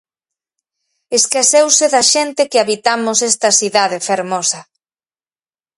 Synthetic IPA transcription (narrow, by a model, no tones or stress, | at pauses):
eskasewseðɐʃent̪ɪkɪaβit̪amʊsɛst̪ɐsiðaðefeɾmɔsɐ